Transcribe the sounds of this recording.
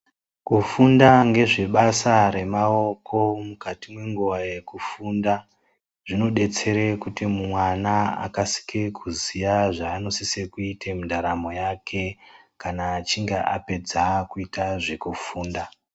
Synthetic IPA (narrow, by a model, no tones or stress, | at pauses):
kufundaŋɡe̞ʐe̞ɓasaɾe̞mao̞kʰo̞mukatimwe̞ŋɡuʋajekufuːnda | ʐ̥ino̞ɗe̞t͡se̞ɾekutimumwanaa̰kasi̥kekʰuzijaʐaːno̞sisekuitʰemundaɾamo̞jakʰe̞kanaːt͡ʃiŋɡeʔape̞d͡zakuitaʐe̞kufuːnda